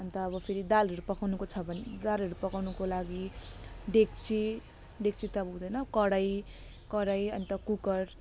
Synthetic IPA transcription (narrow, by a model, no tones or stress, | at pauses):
ʌnt̪ʌːβʌpʰeɾid̪aleɾupʌkawnukot͡sʰʌbʱʌnd̪aleɾupʌkawnukolaɡiɖek̚t͡si | ɖek̚t͡sit̪ʌbʱuwd̪ʌjnʌkʌɽaj | kʌɽajʌnt̪ʌkukʌr